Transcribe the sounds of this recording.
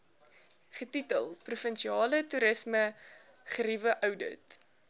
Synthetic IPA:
χətitəlˠprufənʃiɑːlətuɾəsmə | χəɾivəʔœwdə̰t

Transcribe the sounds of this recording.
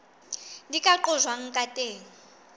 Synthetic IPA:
ndikʼaǃʊzwaŋ̩kʼatʼeːŋ̩

